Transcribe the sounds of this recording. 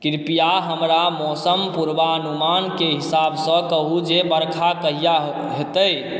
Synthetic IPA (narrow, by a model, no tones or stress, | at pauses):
kiɾpijaɦəmɾamɔsəmpuɾbaənumankeɦisabʱsə̃kəɦud͡ʒebəɾkʰakəɦija | ɦet̪əj